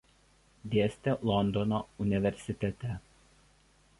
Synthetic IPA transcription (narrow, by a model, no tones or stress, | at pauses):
d̪ʲeɛsʲt̪ʲɛlˠɔnd̪ɔnoʊnʲɪʋʲɛɾʲsʲɪt̪ʲɛt̪ʲɛ